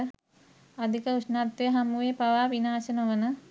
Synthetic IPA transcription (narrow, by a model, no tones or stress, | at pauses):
ad̪ʱikəusnat̪ːejɦamuʋepaʋaːʋinaːsənəʋənə